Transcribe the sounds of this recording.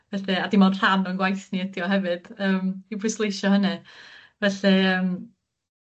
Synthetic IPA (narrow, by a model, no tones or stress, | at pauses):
vɛɬɛadimɔnr̥anɔnɡwajθniədiɔɦɛvɨd̥əːmipʰʊslˠejʃɔhənɨvɛɬɛəːm